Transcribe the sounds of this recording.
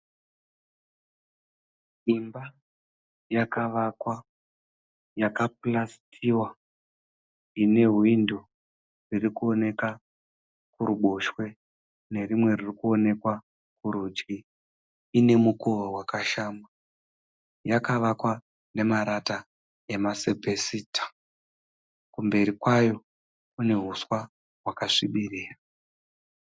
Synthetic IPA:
imba | jakaʋakwa | jakap̚lastʰiwa | ine̞ɦwindo̞ | ririkuone̞ka | kuɾuɓo̞ʃwe̞ | ne̞rimwe̞ririkuo̞ne̞kwa | kuɾud͡ʒɡiː | ne̞mukoʋowakaʃaːma | jakaʋakwa | ne̞maɾata | e̞masebʱesiːtʰḁ | kumbe̞ɾikwajo̞ | kune̞ɦuswa | ɦwakaʂiɓiriːra

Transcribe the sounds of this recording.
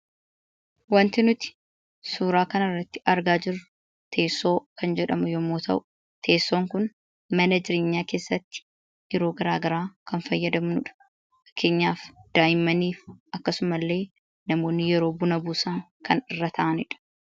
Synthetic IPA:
wɐnt̪ɪnʊt̪ɪ̥ | suːɾaːkɐnɐrːɐt̪ːɪ̥ʔɐɾɡaːd͡ʒɪɾʊ | t̪ʰe̞ːsːo̞ːkɐnd͡ʒɛᶑɐmʊjɔmːoːt̪ʰɐ̰ʔʊ̥ | t̪ʰe̞ːsːo̞ːŋkʊn | mɐnɐd͡ʒɪɾeːɲːaːkeːsːɐt̪ːɪ̥ | jɛɾo̞ːɡɐɾaːɡɐɾaːkɐnfɐjːɐd̪ɐmnʊᶑɐ̥ | ɐ̥kʰːe̞ːɲːaːfd̪̥aːjɪmːɐniːfʔɐkːɐsʊmɐlːe̞ː | nɐmo̞ːnːɪjɛɾo̞ːbʊnɐbuːsɐŋkɐnɪrːɐt̪ʰɐʔɐnɪᶑɐ̥

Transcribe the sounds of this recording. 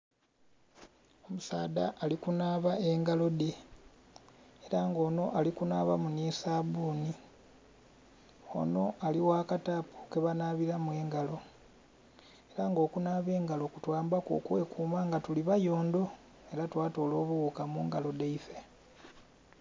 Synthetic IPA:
o̞musaːda̰ːlikunaβae̞ŋɡalo̞de | eɾaŋɡo̞ːno̞ʔalikunaːβamunisaβuːni | o̞̰no̞aliwakatapu̥keβanaβiɾamwe̞ːŋɡalo̞ | eɾaŋɡo̞ːkunaːβe̞ːŋɡalo̞kutwaːmbako̰kwe̞kuːmaŋɡatuliβajo̞ːnd̪o̞ | e̞ɾatwaːto̞ːlo̞ːβuɣukamuːŋɡalo̞deife̞

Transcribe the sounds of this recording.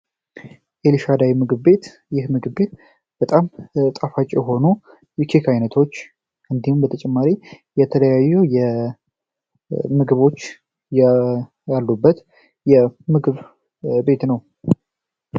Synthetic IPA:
ʔeliʃad̪ajimɨɡɨβbe̞t̪ | jɪhmɨɡɨβbe̞t̪ | b̥ət̪ʼamt̪ʼafat͡ʃʼjɛɦo̞nu | jɛkʰekʰajnət̪ʰo̞t͡ʃː | ʔɨnd̪ihumbət̪ʰət͡ʃʼɛmːaɾi | jɛt̪ʰələjajːuwjɛ | mɨɡɨβo̞t͡ʃː | j | jalːubːət̪ | jɛmɨɡɨβ | be̞t̪nəw

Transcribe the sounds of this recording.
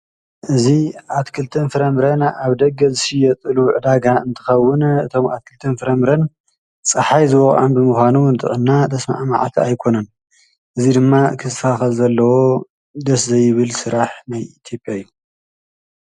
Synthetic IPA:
ʔɨziʔat̪kʰɨlt̪ʰɐnfɨɾɐmɾɐnaβd̪ɐɡɐzɨʃijɛt̪ʼɨluʕɨd̪aɡaɨnt̪ʰɨ̥xɐwːʊnɨt̪ʰo̞mʔa̰t̪̚kʰɨlt̪ʰɐnfɨɾɐmɾɐn | t͡sʼɨħajzɨwɔχʼʔɐ̰nbɨmɨxʷanunɨt̪ʼɨʕɨnːad̪ʰɐsma̰ʕma̰ʕt̪ʰiajkʰo̞nɐn | ʔɨzid̪ɨmːakʰɨzfaxɐlzɐlːɐwo̞ | d̪ɐszɐjɪβɨlsɨɾaħnajit̪ʰjo̞pʼjajːu

